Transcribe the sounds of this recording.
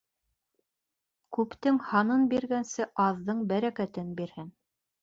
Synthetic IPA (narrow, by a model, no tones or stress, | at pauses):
kʉpt̪ɘŋhɑnɤnbiɾɡænsɘʔɑðːɤɴbæɾækæt̪ɘnbiɾhɘn